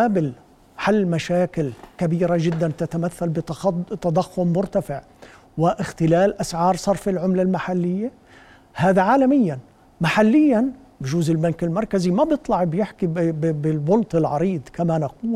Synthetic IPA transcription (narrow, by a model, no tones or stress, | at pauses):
abɪl | ħalːmaʃaːkɪlkabiːɾaʒɪd̪ːant̪at̪amaθːalbɪt̪t̪ɑd̪ˤɑxːʊmːʊɾt̪afɪʕ | wɪʔɪxt̪ɪlaːlʔasʕɑːɾˤsˤɑɾˤfɪlʕʊmlalmaħalːɪjːa | haːd̪aʕaːlamɪjːan | maħalːɪjːan | bɪʒuːzɪlbankɪlmɑɾˤkazimabjɨt̪ˤlɑʕbjɪħkibbɪlbʊlt̪ɪlʕɑ̰ɾiːd̪ˤkamanaquːl